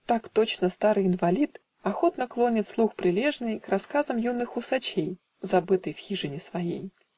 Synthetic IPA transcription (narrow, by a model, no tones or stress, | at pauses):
t̪akt̪o̞t͡ɕnəst̪aɾɨjɪnvɐlʲit̪ | ɐxo̞t̪nəklˠo̞nʲɪt̪slˠuxpɾʲɪlʲe̞ʐnɨjkrɐskazəmjunːɨxʊsɐt͡ɕej | zɐbɨt̪ɨjfxʲiʐɨnʲɪsvɐjḛj